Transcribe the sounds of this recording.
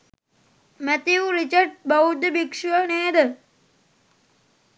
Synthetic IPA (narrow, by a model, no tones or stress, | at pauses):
mæt̪iuɾit͡ʃəɖ̚baud̪əbikʂuʋəneːd̪ə